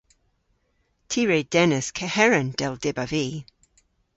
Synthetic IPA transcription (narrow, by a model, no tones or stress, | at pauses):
tʰiːɹeːd̥ɛnɪskʰɛhɛɹənd̥ɛlˠd̥ɪbaviː